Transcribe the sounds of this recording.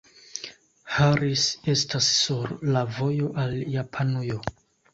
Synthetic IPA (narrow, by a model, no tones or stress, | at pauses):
haɾise̞stasːuɾlavo̞jo̞ʔaljapʰanujo